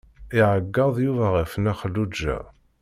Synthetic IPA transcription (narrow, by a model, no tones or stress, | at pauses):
iʕəɡːɑðˤjuvæʁəfnæχəlːud͡ʒːæ̰